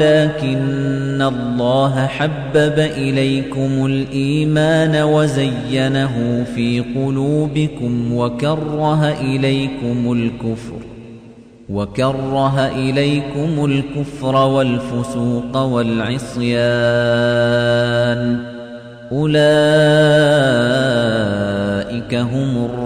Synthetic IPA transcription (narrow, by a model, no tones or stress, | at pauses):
laːkɪnːalˤːɑːɦaħabːabaʔɪlajkʊmʊlʔiːmaːnawazajːanaɦʊfiːqʊluːbɪkʊmwakɑrˤːɑɦaʔɪlajkʊmʊlkʊfɾ | wakɑrˤːɑɦaʔɪlajkʊmʊlkʊfɾˤɑwalfʊsuːqɑwalʕɪsˤjaː | n | ʔʊlaː | ʔɪkaɦʊmʊr